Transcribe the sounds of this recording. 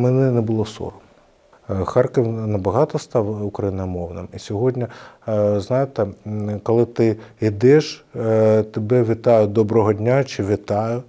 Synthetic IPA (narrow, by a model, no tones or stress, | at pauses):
mɛnɛnɛbʊlˠɔsɔ̰ɾʊ | xɑrkɪwnɐbɐɦɑt̪ɔst̪ɑwʊkɾɐjinɐmɔwnɪ̰misʲɔɦɔdʲnʲɐ | znɑjet̪ɛkɔlˠɪt̪ɪid̪ɪʃ | t̪ebɛʋʲɪt̪ɑjʊd̪ɔbɾɔɦɔdʲnʲat͡ʃɪʋʲit̪ɑjʊ